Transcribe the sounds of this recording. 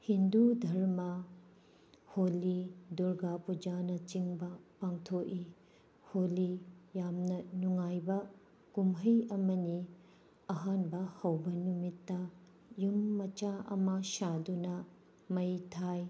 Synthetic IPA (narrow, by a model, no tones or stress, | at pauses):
hindudʱɐɾmɐ | holiduɾɡapud͡ʒanɐt͡ʃiŋbɐpaŋtʰoʔi | holijamnɐnuŋajbɐ | kumɦɐjɐmɐni | ɐɦanbɐhɐwbɐnumitːɐ | jumːɐt͡ʃaʔɐ̰mɐʃadunɐ | mɐjtʰaj